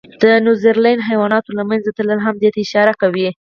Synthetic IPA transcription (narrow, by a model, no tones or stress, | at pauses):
d̪̥ənjuzəɾlajnɦajwɑnɑt̪olamanzat̪ələlɦamd̪et̪aɪʃɑɾakawi